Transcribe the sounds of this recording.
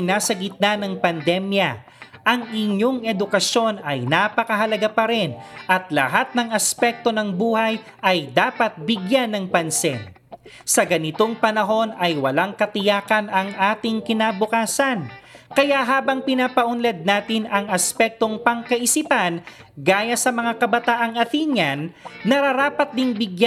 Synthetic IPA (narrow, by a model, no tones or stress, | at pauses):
naːsɐɡɪt̪̚nanɐŋpɐnd̪ɛmjɐ | ʔɐŋɪɲːo̞ŋɛd̪ʊkɐʃjo̞nɐjnapɐkɐɦɐlɐɡapɐɾɛnʔɐt̪lɐ̰ɦat̪̚nɐŋɐspɛk̚t̪o̞nɐŋbuːhɐj | ʔɐjd̪aːpɐt̪̚bɪɡjanːɐŋpɐnsɛn | sɐɡɐnɪt̪o̞ŋpɐnɐɦo̞nɐjwɐlaŋkɐt̪ɪjaːkɐnɐŋʔaːt̪ɪŋkɪnabʊkaːsɐnkɐjaʔɦaːbɐŋpɪnapɐʔʊnlɛd̪̚naːt̪ɪnɐŋɐspɛk̚t̪o̞ŋpɐŋkɐʔɪsipan | ɡaːjɐsɐmɐŋakɐbɐt̪aːʔɐŋɐt̪iɲɐnːɐɾɐɾaːpɐt̪̚d̪ɪŋbɪɡja